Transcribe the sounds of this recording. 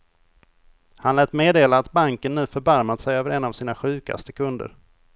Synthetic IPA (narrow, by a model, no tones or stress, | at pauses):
hanlɛːt̪meːd̪eːlaːt̪baŋkənːʉ̟ːfœɾbaɾmad̪əsɛjøːvəɾɛnːavsiːnaɧʉ̟ːka̰st̪əkʰɵnd̪ə̰ɾ